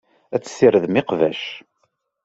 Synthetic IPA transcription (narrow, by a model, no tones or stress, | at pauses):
æt͡sːə̥sːiɾəðmɪqvæ̰ʃ